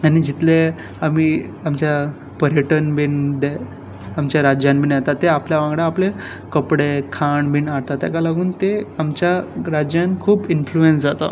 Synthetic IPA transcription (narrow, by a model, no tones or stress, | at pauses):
anid͡ʑit̪le | amiːamt͡ɕja | pəɾjeʈənbind̪e | amt͡ɕjaɾad͡ʑjãnbinat̪at̪ːeapljaʋãŋɡɽaːple | kəpɽekʰaɳbinaɽt̪at̪a̰kalaɡuːnt̪eamt͡ɕjaɾad͡ʑjankʰuːbinfluensd͡zat̪ə̰